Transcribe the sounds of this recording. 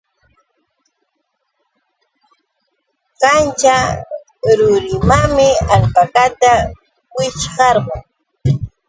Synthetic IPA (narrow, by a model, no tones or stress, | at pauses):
kant͡ʃa | ɾʊɾɪmamɪaʎpakat̪a | wɪt͡ʃɢɑɾɢoŋ